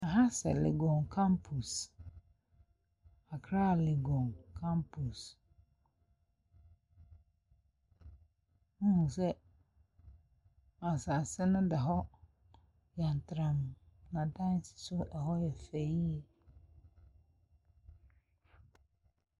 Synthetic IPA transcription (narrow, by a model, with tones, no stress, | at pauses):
a˨ɦa˦sɛ̰˨lḛ˨ɡɔ̃˨nkʰã˦mpʰu˨s | a˨kʰɾa˦˨le˨ɡɔ̃˨nkʰã˦mpʰu˨s | nũ˦hũ˨sɛ˦ | mã˨sa˨sɛ˦nʊ̃˦da˨ɦɔ˦ | jã˨n˨tʰɾã˨m˨nã˨dã˦n˦sɪ̥˨sʊ˦ʔɛ˨hɔ˦jɛ˨fe˨i˦